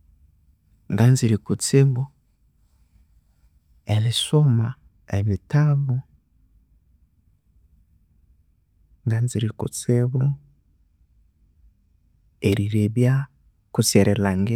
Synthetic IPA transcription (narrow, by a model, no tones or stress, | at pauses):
ŋɡanziɾikut͡seβu | elisoma | eβitaβu | ŋɡanziɾikṵt͡seβu | eɾiɾeβja | kuseɾʔelaŋɡe